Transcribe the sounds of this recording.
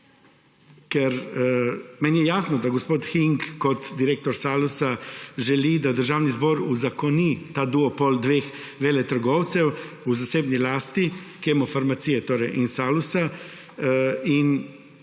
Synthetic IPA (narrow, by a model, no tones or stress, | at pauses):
kɛɾ | mɛnjɛjaːsnɔd̪aɡospoːt̪xiŋkkɔt̪d̪iɾeːk̚t̪ɔɾsaːlusaʒɛlid̪ad̪əɾʒaːwnizboːɾuzakɔnit̪aːd̪uɔpold̪ʋeːx | ʋeːlɛt̪əɾɡɔwt̪sɛw | uzaseːbnilaːst̪i | kemɔfaɾmat̪siːjɛt̪oːɾɛjʔinsaːlusa | in